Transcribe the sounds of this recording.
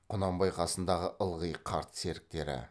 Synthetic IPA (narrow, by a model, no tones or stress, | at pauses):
qʰʊnɑmbɑjqʰɑsənd̪ɑʁəʔəlˠʁəjqʰɑɾt̪se̞ɾɪk̚t̪e̞ɾɪ̰